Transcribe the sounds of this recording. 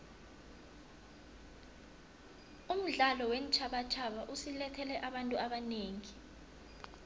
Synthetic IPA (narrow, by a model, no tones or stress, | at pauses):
um̩ɮalɔwent͡ʃʰaɓat͡ʃʰaɓaʔusilɛtʰɛlɛʔaɓantʼuʔaɓaneːŋi